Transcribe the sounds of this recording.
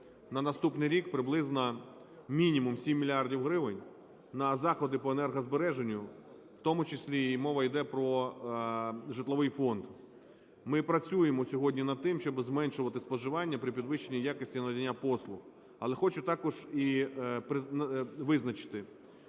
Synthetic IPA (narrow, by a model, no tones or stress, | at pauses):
nɐnɐst̪upnɪjɾʲikpɾɪblˠɪznɐ | mʲinʲimumsʲimʲːilʲiɑrdʲiwɦɾɪʋɪnʲ | nɐzɑxɔd̪ɪpɔenɛrɦɐzbeɾɛʒenʲːʊ | w̥t̪ɔmʊt͡ʃɪsʲlʲiːmɔʋɐid̪ɛpɾɔ | ʒɪt̪lˠɔʋɪjfɔnd̪ | mɪpɾɐt͡sʲujemɔsʲɔɦɔdʲnʲinɐd̪̚t̪ɪmʃt͡ʃɔbzmɛnʃʊʋɐt̪ɪspɔʒɪʋɑnʲːɐpɾʲɪpʲid̪ʋɪʃenʲijakɪsʲtʲinɐd̪ʲɐnʲːapɔslˠʊx | ɐlˠɛxɔt͡ʃʊt̪ɑkɔʒipɪʋɪznɐt͡ʃɪ̥t̪ɪ